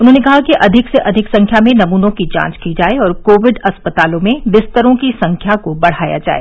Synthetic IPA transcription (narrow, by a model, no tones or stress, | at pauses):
ʊnɦõnekɐɦakiʔɐd̪ʱɪkseʔɐd̪ʱɪksɐ̃ŋkʰjamẽnɐmuːnõkid͡ʒã̰ːt͡ʃkid͡ʒaːeɔːɾkoːʋɪɖɐspət̪aːlõmẽʋɪst̪əɾõkisɐ̃ŋkʰjakobɐɽ̤aːja̰d͡ʒa̰ːḛː